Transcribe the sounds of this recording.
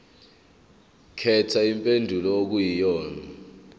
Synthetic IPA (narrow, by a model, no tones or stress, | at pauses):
kʰɛtʰaimpʼendʱulɔok̬ujijɔːna